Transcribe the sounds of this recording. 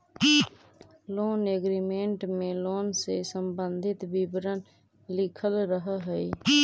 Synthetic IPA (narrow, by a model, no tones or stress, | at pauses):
loːneɡɾimẽɳʈmẽloːnsesəmbə̃nd̪ʱɪt̪bɪbɾən | lɪkʰəlɾəɦəɦɛi